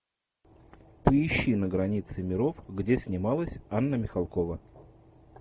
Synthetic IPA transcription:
pəɪɕːinəɡɾɐnʲit̪sɨmʲɪɾo̞fɡdʲesʲnʲɪmalˠəsʲanːəmʲɪxɐlˠko̞və

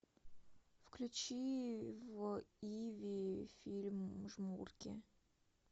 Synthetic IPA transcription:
fklʲʉt͡ɕivivʲifʲilʲmʐmurkʲɪ̰

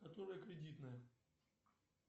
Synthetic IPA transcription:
kɐt̪oɾɨjəkɾʲɪdʲit̪nəjə

